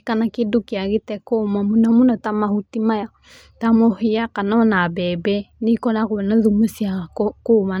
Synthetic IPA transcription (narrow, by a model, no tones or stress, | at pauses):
kanakedukiaɣetɛkomamunamunɔtamahutimaja | tamohijakanɔnabɛːbɛnikɔnakonaðumusiakkoma